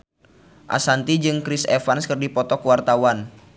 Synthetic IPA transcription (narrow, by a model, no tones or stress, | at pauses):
ʔa̰sant̪id͡ʒɨŋkɾisefanskərdipɔt̪ɔkuwart̪awan